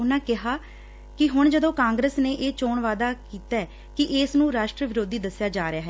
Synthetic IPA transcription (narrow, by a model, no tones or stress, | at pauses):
ʊnãːkɪɦaː | kɪɦʊɳd͡ʒəd̪õːkãːŋɡɾəsneːʔeːt͡ʃoːɳʋaːd̪aːkiːt̪aɛː | kɪʔɪsnũːɾaːʃʈɾəʋɪɾoːd̪iːd̪əsjaːd͡ʒaːɾɪjaːɦɛː